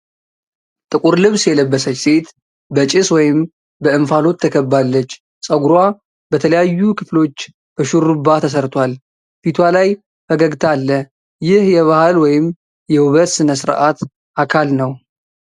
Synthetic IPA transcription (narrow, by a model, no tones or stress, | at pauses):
t̪ʼɨkʼuɾlɨβsjɛləbːəsət͡ʃːse̞t̪ | bət͡ʃʼɪswɔjɪm | bəɨmfalo̞t̪ʰːəkʰəbːalːət͡ʃː | sʼəɡuɾwa | bət̪ʰələjajːukʰɨflo̞t͡ʃː | b̥əʃuɾːɨbːat̪ʰəs̬əɾt̪ʰwal | fit̪ʰwalaj | fəɡəɡt̪ʰalːə | jɪhjɛβahalwɔjɪm | jɛwuβət̪sɨnəsɨɾʔat̪ | ʔakʰalnəw